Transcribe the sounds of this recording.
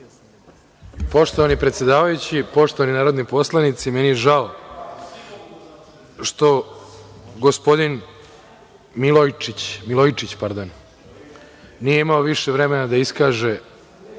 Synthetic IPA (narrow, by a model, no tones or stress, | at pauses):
po̞ʃt̪o̞ʋanipɾet̪sʲje̞d̪aːʋajut͡ɕipo̞ʃt̪o̞ʋaninaːɾo̞d̪nipo̞slˠanit̪simɛnijeʒao | ʃt̪o̞ | ɡospo̞d̪in | milojt͡ʃit͡ɕmilˠojt͡ʃit͡ɕpaɾd̪on | nijeimaoʋiʃeʋɾemenad̪aiskaːʒe̞